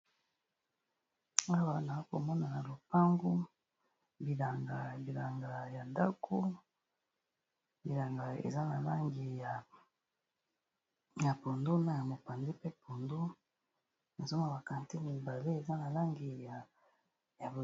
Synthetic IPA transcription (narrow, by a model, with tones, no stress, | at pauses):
a˦wa˦na˨˦ko˨mɔ˦na˨na˨lo˨pa˦ŋɡo˦ | bi˨la˨ŋɡa˨bi˨la˨ŋɡa˨ja˨nda˦kʰo˦ | bi˨la˨ŋɡa˨ḛ˨za˦na˨la˦ŋɡi˨ja˨ | ja˨po˨ndo˦na˦ja˨mo˨pa˨ndi˦pe˦po˨ndo˦ | na˨zo˦ma˨ba˨ka˨nti˦mi˨ba˨le˦e˨za˦na˨la˦ŋɡi˨ja˨ | ja˨bo˨